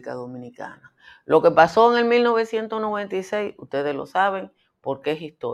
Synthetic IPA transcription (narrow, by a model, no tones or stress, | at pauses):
kaðomĩnika̰na | lo̞kepaso̞eŋe̞lmilno̞βe̞sje̞nt̪osno̞βe̞nt̪ajsejsuht̪e̞ðeslo̞̰saβe̞ŋ | po̞ɾkeesist̪o̰